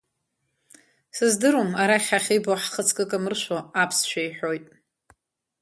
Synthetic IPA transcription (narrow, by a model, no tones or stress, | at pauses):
sɨzdɨɾomaɾaχʲaχʲijboħχət͡sʰkʼɨkʼamɨrʃʷoapʰst͡ʃʷʰᶣajħo̞jtʼ